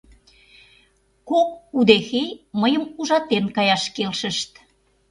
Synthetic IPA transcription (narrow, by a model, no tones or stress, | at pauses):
kok̚ud̪exejməjəmuʒɑt̪enkɑjɑʃkelʃə̆ʃt̪